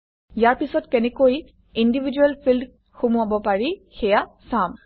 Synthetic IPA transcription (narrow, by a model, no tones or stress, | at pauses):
jaɹpisɔtkɛnɛkoj | indibʱid͡ʒuɛlpʰild | xumuabɔpaɹixɛjasam